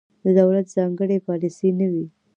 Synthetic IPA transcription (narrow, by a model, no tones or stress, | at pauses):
d̪əd̪awlat̪zɑŋɡəɽepɑlisinəwi